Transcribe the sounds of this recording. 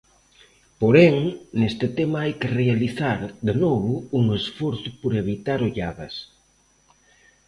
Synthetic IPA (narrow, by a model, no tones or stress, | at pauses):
poɾeŋnest̪ɪt̪emɐajkɪrealiθaɾd̪enɔβʊuŋesfɔɾθʊpoɾeβit̪aɾoʎaβɐs